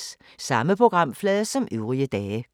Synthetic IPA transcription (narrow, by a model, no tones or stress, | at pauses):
s | sɑ̈məpʰʁo̝ɡ̥ʁɑ̈m̰flɛðˠɐsɒ̽mʔøʊʁiəd̥ɛː